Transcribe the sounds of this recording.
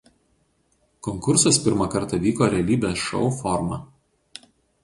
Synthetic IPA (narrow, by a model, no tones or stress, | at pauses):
kɔŋkʊɾsɐspʲɪɾmɐkɐɾt̪ɐʋʲiːkoːɾʲɛɐlʲiːbʲesʃɔ̰ʊfɔɾmɐ̰